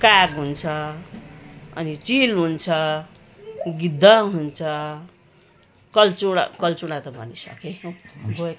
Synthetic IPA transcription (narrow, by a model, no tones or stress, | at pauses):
kaɡɦunt͡sʰʌ | ʌ̰nit͡silɦunt͡sʰʌ | ɡid̪ʱːʌɦunt͡sʰʌ | kʌlt͡suɾa̰kʌlt͡suɽãt̪ʌbʱʌ̰nisʌ̰ket͡sʰõbo